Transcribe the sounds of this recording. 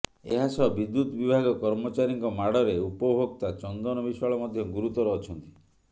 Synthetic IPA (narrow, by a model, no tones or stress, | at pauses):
eɦasɔɦbid̪ːut̪ɔbibʱaɡɔkɔɾmɔt͡ʃaɾiŋkɔmaɽɔɾeupɔbʱokt̪at͡ʃɔnd̪ɔnɔbiswaɭɔmɔd̪ʱjɔɡuɾut̪ɔɾɔːt͡ʃʰɔnt̪i̥